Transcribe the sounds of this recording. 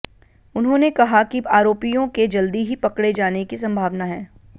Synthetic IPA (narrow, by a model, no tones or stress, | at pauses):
ʊnɦõnekɐɦakiaːɾoːpijõked͡ʒɐld̪iɦipɐkɽed͡ʒaːnekis̬ɐ̃mbʱaːʋnaɦɛ̃ː